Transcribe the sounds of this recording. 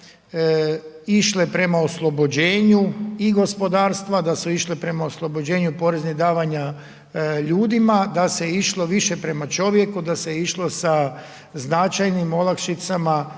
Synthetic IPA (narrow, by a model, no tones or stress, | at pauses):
iʃlepɾe̞maoslˠo̞bo̞d͡ʑe̞ːɲuiɡo̞spo̞d̪aːɾst̪ʋad̪asuiʃlepɾe̞mao̞slˠo̞bod͡ʑe̞ːɲupo̞ːɾe̞znid̪aːʋaɲa | ʎuːd̪imad̪ase̞iʃlo̞ʋiʃe̞pɾe̞mat͡ʃo̞ʋje̞kud̪aseiʃlo̞sa | znat͡ʃajnimo̞lˠakʃit̪sama